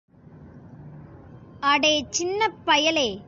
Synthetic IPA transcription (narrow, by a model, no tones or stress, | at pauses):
ɐɽeːt͡ʃɪnːɐpːɐjɐleː